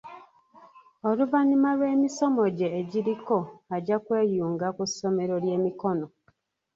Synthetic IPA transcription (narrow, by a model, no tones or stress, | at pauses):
oluvaɲimalwe̞ːmiso̞moɟeːɟiɾiko̞aɟakwe̞ːjuːŋɡakuso̞me̞ɾolje̞ːmiko̞no